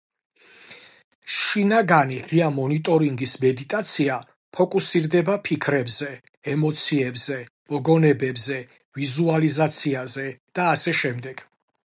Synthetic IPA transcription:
ʃinaɡaniʁiamɔnit̪ʼɔɾiŋɡismɛd̪it̪ʼat̪sʰia | pʰɔkʼusiɾd̪ɛbapʰikʰɾɛbzɛː | mɔt̪sʰiɛbzɛ | mɔɡɔnɛbɛbzɛ | vizualizat̪sʰiazɛd̪̥aːsɛʃɛmd̪ɛɡ̥

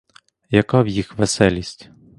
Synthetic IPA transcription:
jɐkawjixʋɛsɛlʲisʲtʲ

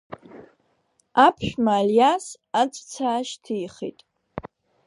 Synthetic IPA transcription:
apʰʃᶣmaːljas | at͡sʷʼt͡sʰaːʃtʰijχḭtʼ

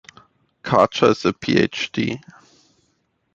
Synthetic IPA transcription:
kʰalt͡ʃəɪzəpʰḭːḛt͡ʃd̥ḭː

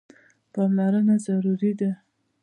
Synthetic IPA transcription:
pɑmlaɾənazaɾuɾid̪a

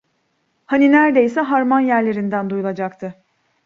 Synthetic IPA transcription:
haninæɾd̪e̞jsɛɦaɾmanjæɾlʲe̞ɾind̪ænd̪ujulˠad͡ʒak̚t̪ʰɯ

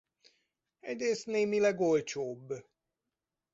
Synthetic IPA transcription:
ɛɟɾeːst̪neːmilɛɡolt͡ʃoːbː

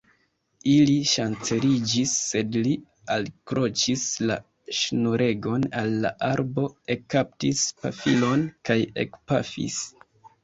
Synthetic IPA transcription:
iliʃant͡seɾid͡ʒisːe̞dli | alkɾo̞t͡ʃisla̰ | ʃnuɾʔe̞ɡo̞nalːa̰ʔaɾbo̞e̞kap̚tispa̰filo̞nkajḛkpa̰fḭs

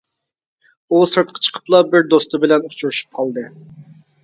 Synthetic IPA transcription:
usɨɾt̪̚qʰɑ̥t͡ʃʰə̥qʰə̥plˠɑbɪɾd̪ost̪ɨbɪlɛnut͡ʃuɾuʃy̥p̚qʰɑlˠd̪ɨ

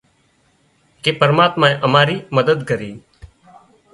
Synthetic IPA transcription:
keːpəɾmaːt̪mãːẽʔəmaːɾiːməd̪əd̪ɡəɾiː

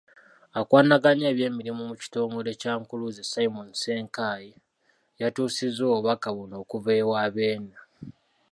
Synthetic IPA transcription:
akwaːnaɡaɲeːβje̞ːmiɾimumuci̥to̞ːŋɡo̞le̞caːŋkuluzesajimonse̞ːŋkaji | jatuːsizoːβakaβono̞ːkuve̞ːwaːβeːna

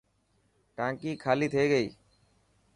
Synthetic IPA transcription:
ʈãːkiːkʰaːliːt̪ʰeːɡəḭː

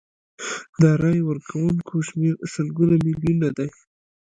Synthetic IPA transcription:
d̪əɾɑjwəɾkʰawuŋkʰoʃmeɾsəlɡunamɪljunad̪aj

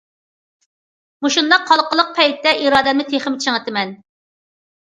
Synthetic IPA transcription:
muʃund̪ɑqʰːɑlˠqəlˠəq̚pʰɛjt̪ːɛʔiɾɑːd̪ɛmɪt̪ʰeχɪmt͡ʃʰəŋət̪ɪmɛn

